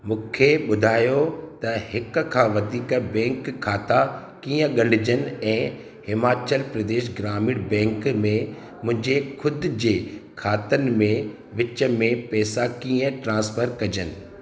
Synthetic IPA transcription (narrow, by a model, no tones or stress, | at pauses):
mũːkʰeɓʊd̪ʱaːjot̪ɐɦɪkkʰãːʋɐd̪ʱiːkbɛ̃ːŋkʰːaːt̪a | kiːə̃ɠɐɳɖɪd͡ʑənɪ̆ɛ̃ː | hɪmaːt͡ɕəlpɾɐd̪eːʃ̬ɡɾaːmiːɽbɛ̃ːŋkmẽ | mʊ̃ɦɪ̃ɲd͡ʑekʰʊd̪̆d͡ʑeːkʰaːt̪ənmẽ | ʋɪt͡ɕə̆mẽpɛːsakiːə̃ʈɾãːspʰəɾkɐd͡ʑənɪ̆